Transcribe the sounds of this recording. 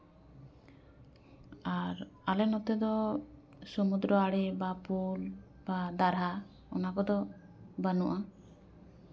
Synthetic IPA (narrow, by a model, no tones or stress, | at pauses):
aɾalɛnɔt̪ɛd̪ɔ | sɔmud̪ɾɔaɽɛbapul | bad̪aɾɦa | ɔ̰nakɔd̪ɔ | banuʔa